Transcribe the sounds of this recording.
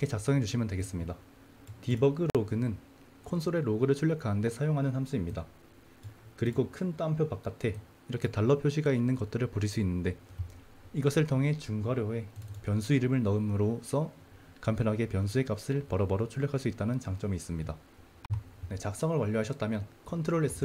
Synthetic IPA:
kʰe̞t͡ɕak̚s͈ʌŋet͡ɕuɕʰimjʌndweɡe̞s͈ɯmɲida | tibʌɡɯɾoɡɯnɯn | kʰonsʰoɾe̞ɾoɡɯɾɯɭt͡ɕʰuʎːjʌkʰanɯnde̞sʰajoŋɦanɯnsamsʰuimɲida | kɯɾiɡokʰɯnt͈ampʰjopak͈atʰe̞ | iɾʌkʰe̞taɭːʌpʰjoɕʰiɡainːɯnɡʌt̚t͈ɯɾɯɭpoɾis͈uinːɯnde̞ | iɡʌsʰɯɭtʰoŋɦe̞t͡ɕuŋɡwaɾjoe̞pjʌnsʰuiɾɯmɯɭnʌɯmɯɾos͈ʰʌ | kampʰjʌnɦaɡe̞pjʌns̬ʰue̞k͈ap̚s͈ɯɭpaɾʌbaɾot͡ɕʰuɭʎːʌkʰaɭs͈uit̚t͈anɯnt͡ɕaŋt͡ɕ͈ʌmiːs͈ɯmɲida | ne̞t͡ɕak̚s͈ʌŋɯɭwaʎːoɦaɕʰʌt̚t͈amjʌnkʰʌntʰɯɾoɭe̞s͈ɯ

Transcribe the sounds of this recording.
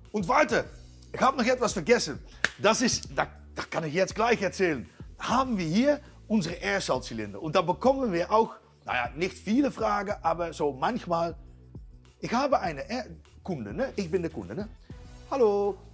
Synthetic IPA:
ʔʊntvaɹtə | ɪxhaːbənɔχɛtv̥asfɛɡɛsən | d̥asɪstda | d̥akʰanɪxjɛt͡st̚ɡlaɪxɛɐt͡sɛːlənhaːbn̩viːɐɦiː | ʔʊnzəʁəʔɛːɐsalt͡silɪndə̰ʊntd̥aːbəkʰɔmənviːɐʔaʊx | na̰ja̰ːnɪxtfiːləfraːɡənʔaːbɐzoːmançmaːl | ʔɪçhaːbəʔaɪnəʔɛkʰʊndə̰nəʔɪçbɪndɛːkʊ̰ndənəhaloː

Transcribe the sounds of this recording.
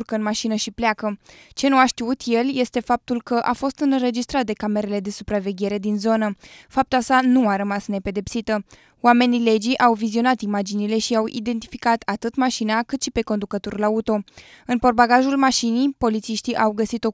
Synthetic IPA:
rkəɨnmaʃinəʃipleakət͡ʃe̞nuaʃt̪iut̪je̞lje̞st̪e̞fap̚t̪ulkəʔafo̞st̪ɨnre̞d͡ʒist̪ɾat̪̚d̪e̞kame̞ɾe̞le̞d̪e̞supɾave̞ɡʲe̞ɾe̞d̪inzo̞nəfap̚t̪uasanuaɾəmasne̞pe̞d̪e̞psit̪ə | wame̞nile̞d͡ʒiʔawvizio̞nat̪imad͡ʒinile̞ʃiawḭd̪e̞nt̪ifikat̪ʰat̪ɨt̪maʃinakɨt̪ʃipe̞ko̞nd̪ukət̪orlaut̪o̞ɨnpo̞rbaɡaʒulmaʃinijpo̞lit̪siʃt̪iʔawɡəsit̪o̞

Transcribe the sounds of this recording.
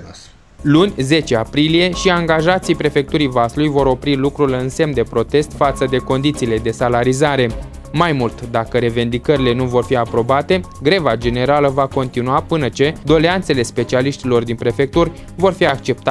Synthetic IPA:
lunʲze̞t͡ʃe̞apɾilije̞ʃiaŋɡaʒat̪sijpɾe̞fe̞k̚t̪uɾijvasulujvo̞ɾo̞pɾilukɾulɨnse̞md̪e̞pɾo̞t̪e̞st̪fat̪səd̪e̞ko̞nd̪it̪siːle̞d̪e̞salaɾizaɾe̞ | majmult̪d̪akəɾe̞ve̞nd̪ikəɾile̞nuvo̞rfiapɾo̞bat̪e̞ | ɡɾe̞vad͡ʒe̞ne̞ɾaləvako̞nt̪inuapɨnət͡ʃe̞d̪o̞le̞ant̪se̞le̞spe̞t͡ʃialiʃt̪ilo̞rd̪inpɾe̞fe̞k̚t̪urʲ | vo̞rfiak̚t͡ʃe̞p̚t̪

